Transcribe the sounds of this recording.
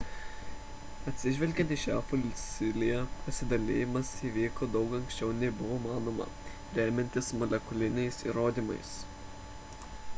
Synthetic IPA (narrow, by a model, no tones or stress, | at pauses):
ɐt̪ʲsʲɪʒʲʋʲɛlʲɡʲɛnt̪iːʃʲæːfʊlʲsʲɪlʲɪjɛpɐsʲɪd̪ɐlʲḛːjɪmɐsiʋʲiːkoːd̪ɒʊkɐŋʲkʲsʲt͡ʃʲɛʊnʲɛɪbʊʋoːmɑːnoːmɐ̰ | ɾʲæːmʲɛnʲt̪ʲɪsmɔlʲɛkʊlʲɪnʲɛɪsḭːɾoːd̪ʲiːmɐ̰ɪs